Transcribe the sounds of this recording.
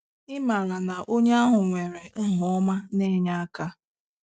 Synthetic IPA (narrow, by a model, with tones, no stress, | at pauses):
ɪ˦ma˨la˨na˨ʔo˦ɲe˦a˦ɦʊ˨ŋʷe˨ɾe˨ŋ̩˦ɦʊ˨˦ɔ˦ma˦ne˦ɲa˦a˦ka˦